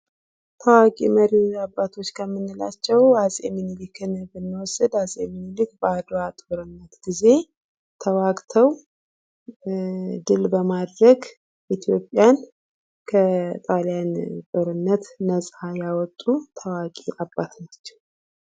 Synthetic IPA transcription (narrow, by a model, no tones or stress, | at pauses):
t̪ʰəwakʼiməɾiabːat̪ʰo̞t͡ʃːkʰəmːɨnːɨla̰t͡ʃːɛwazʼeminilikʰɨnbɨnːwɔsːɨd̪azʼeminilikbəad̪at̪ʼoɾɨnːət̪ɡ̥ize̞ | t̪ʰəwakʼt̪ʰəw | d̪ɨlbəmad̪ɾəɡ | ʔit̪ʰijo̞pʼːjan | kʰət̪ʼaljant̪ʼoɾɨnːət̪ːəsʼajawɔt̪ʼːut̪ʰəwakʼiʔabːat̪nat͡ʃːɛ̥w